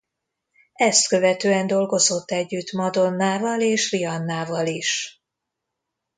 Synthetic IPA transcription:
ɛst̪kø̞vɛt̪øːɛnd̪o̞lɡo̞zo̞t̪ːɛɟːyt̪mɒd̪o̞nːaːvɒleːʃriɒnːaːvɒliʃ

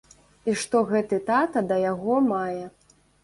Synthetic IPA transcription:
iʂt̪ɔɣɛt̪ɨt̪at̪ɐd̪ɐjaɣɔmajɛ

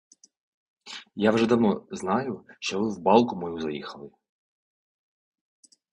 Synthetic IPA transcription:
jawʒɛd̪ɐwnɔznɑjʊʃt͡ʃɔʋɪwbɑlˠkʊmɔjuzɐjḭxɐlˠɪ

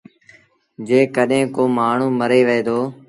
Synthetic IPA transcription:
d͡ʒeːkəɗɦẽːkoːmaːɳ̤ũːməɾeːʋəeːd̪oː

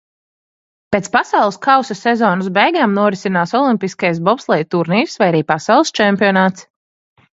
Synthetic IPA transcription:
peːt̪spasawlˠɨskʰawsɐsɛzɔːnus̬bɛjɡaːmnuɔɾisinaːsɔlˠimpiskajs̬bɔpslˠɛjt̪uɾniːsvajaɾiːpasɑwlˠst͡ʃɛmpiɔnaːt̪s

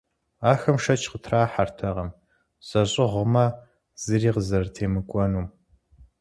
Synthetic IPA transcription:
aːxɐmʂɐt͡ʃʰqətʰraːħartʰɐʁɐm | z̥ɐɕʼɪʁʷəmɐ | z̥ɨriːqəzɐrtʰeːmɨkʷʼɔnuːm

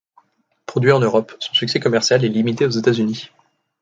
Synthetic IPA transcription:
pχɔd̪ɥiʁɑ̃nøʁɔpsɔ̃syksɛkɔmɛʁsjalɛlimit̪eozet̪azyni

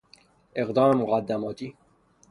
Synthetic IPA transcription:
eqd̪ɒːmemuɣæd̪ːæmɒːt̪ʰiː

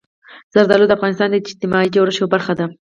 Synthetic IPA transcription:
z̥aɾd̪ɑlod̪əafɣɑnɪst̪ɑnd̪əɪd͡ʒt̪ɪmɑid͡ʒawɾəʃobaɾxad̪a

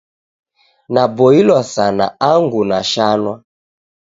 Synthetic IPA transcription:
nabɔilwasana̰aŋɡunaʃanwa

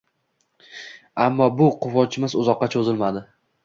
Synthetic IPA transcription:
amːɒbʊqʰʊvɒt͡ʃʰɪmɪzʊzɒqːɑt͡ʃʰozɪlmad̪ɪ

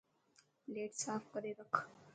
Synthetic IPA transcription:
leːʈsaːpʰkʌɾeɾəkʰ

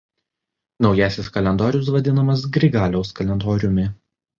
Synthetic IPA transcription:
nɒʊjæːsʲɪskɐlʲɛnd̪ɔːɾʲʊs̬ʋɐd̪ʲɪnɐmɐs̬ɡɾʲɪɡɑːlʲɛʊskɐlʲɛnd̪oːɾʲʊmʲɪ

